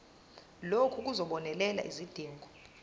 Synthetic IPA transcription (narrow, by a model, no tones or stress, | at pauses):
lokʰuk̬uzɔɓɔnɛlɛla̰ʔizid̥ʱiːŋɡʱɔ